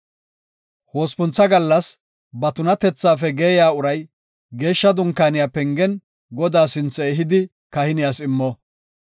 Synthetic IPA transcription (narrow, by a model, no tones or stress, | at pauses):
hoːspʊnt͡sːɐɡɐlːɐs | bɐt̪ʊnɐt̪ɛt͡sːaːfɛɡeːjaːʊɾɐj | ɡe̞ːʃːɐd̪ʊŋkːaːnɪjapɛŋɡɛn | ɡɔd̪aːsɪnt͡sːɛɛɦɪd̪ɪ | kɐhɪnɪjasɪmːɔ